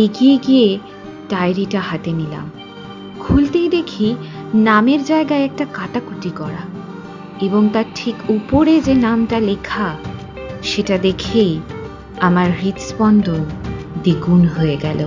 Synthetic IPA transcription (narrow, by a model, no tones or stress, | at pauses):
eɡijeɡije | ʈajɾiʈaɦat̪emila̰m | kʰult̪ejd̪ekʰinameɾd͡ʑaeɡaeɛk̚ʈakaʈakuʈikɔɾa | eboŋt̪aɾʈʰikupoɾed͡ʑenamʈalekʰa | ʃeʈad̪ekʰej | amaɾɦit̪spɔnd̪ond̪iɡunɦoeɡɛlo